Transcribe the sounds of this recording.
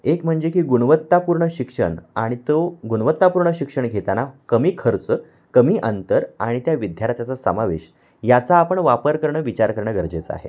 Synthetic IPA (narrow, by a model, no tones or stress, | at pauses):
ekm̤əɳd͡zekiːɡuɳʋət̪ːapuɾɳəɕikʂə̰ɳaɽ̃it̪oɡuɽʋət̪ːapuɾɳəɕikʂəɳɡʱet̪anakəmiːkʰəɾt͡sə | kəmiːʔənt̪əɾa̰ɽ̃it̪jaʋid̪ʱjaɾt̪jat͡sasə̰maʋḛɕ | jat͡saːpəɳʋapəɾkəɾɳəʋit͡ɕaɾkəɾɳəɡəɾd͡zet͡səa̰ɦḛ